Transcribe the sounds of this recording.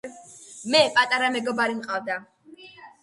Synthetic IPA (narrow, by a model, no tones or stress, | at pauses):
mɛpʼat̪ʼaɾamɛɡɔbaɾimqʼavd̪a